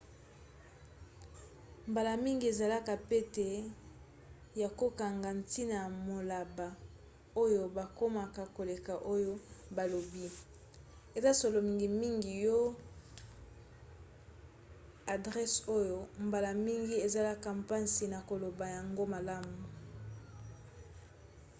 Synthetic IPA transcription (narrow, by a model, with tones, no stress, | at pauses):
mba˨la˨mi˦ŋɡi˨e˨za˨la˦ka˨pe˦te˨ | ja˨ko˦ka˨ŋɡa˨nti˦na˨mo˨la˨ba˨ | o˦jo˦ba˨ko˦ma˨ka˨ko˨le˨ka˨ʔo˦jo˦ba˨lo˨bi˦ | e˨za˦so˨lo˨mi˨ŋɡi˨mi˦ŋɡi˨jo˦ | a˨dʁɛ˦so˦jo˦mba˨la˨mi˦ŋɡi˦e˨za˨la˦ka˨mpa˦nsi˨na˨ko˨lo˨ba˨ja˨ŋɡo˦ma˨la˦mu˨